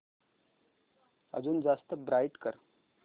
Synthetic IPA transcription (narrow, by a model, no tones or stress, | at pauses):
ə̰d͡zuːnd͡zast̪əbɾajʈkəɾ